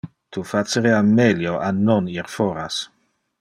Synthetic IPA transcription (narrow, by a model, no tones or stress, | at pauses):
t̪ufaseɾeameljoʔanoniɾfoɾas